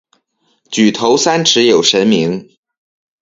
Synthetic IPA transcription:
t͡ɕy˨˩t̪ʰo˧˥ʊsa˥nʈ͡ʂʰɻ̩˧˥jo˨˩ʊʂə˧˥nmi˧˥ŋ

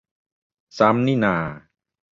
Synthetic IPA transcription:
sa˦˥mni˥˩˨naː˧˩

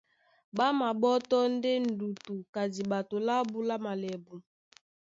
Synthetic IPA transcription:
ba˦ma˨ɓɔ˦tɔ˦n˦de˦n̩˨du˨tu˨ka˨di˨ɓa˨to˨la˦bu˦la˦ma˨lɛ˨bu˨

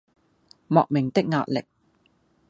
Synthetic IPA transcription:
mɔː˨k̚mɪ˨˩ŋt̪ɪ˥k̚ŋa̰ː˧t̚lɪ̰˨k̚

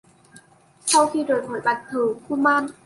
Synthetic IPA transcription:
t̪ʰa˥˩wt̪ʰiː˧˩doː˨˩j̚pʰoː˨˦jpa˨˩k̚t̪ʰɯː˨˩˦kʰuː˥˩˨maː˧˥˨n

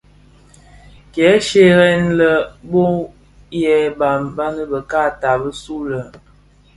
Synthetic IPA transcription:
kjɛ˨˦ʃe˨ɾɛ˦nlə˨bo˦ | jɛ˦ba˨mba˦nə˦bə˨ka˦˨ta˨bə˦su˦lə˨

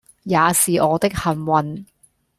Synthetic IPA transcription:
jaː˨˧siː˨ʔɔː˨˧t̪ɪ˥k̚hɐ˨˩nwɐ˨n

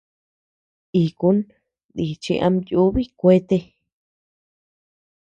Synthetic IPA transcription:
i˨ku˧˦n | d̪i˨t͡ʃḭ˧ʔa̰˧mju˦βi˦kʷe˦t̪e˧

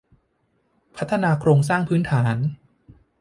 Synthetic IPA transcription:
pʰa˦˥t̪ʰːa˧naː˧kʰɾoː˧ŋs̬aː˥˩ŋpʰɯː˦˥nt̪ʰaː˩˦n

